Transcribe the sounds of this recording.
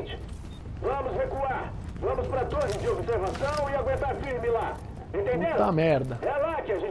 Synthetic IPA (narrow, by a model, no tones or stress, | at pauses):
t͡ʃɪ̥ | vɐ̃mʊshekuaɾ | vɐ̃mʊspɾɐt̪oɾɪd͡ʒɪobɪseɾvasɐ̃w̃ɪaɡwẽnt̪aɾfiɾmɪla | ẽnt̪ẽnd̪ẽt̪amɛɾd̪ɐɛlat͡ʃiaʒẽ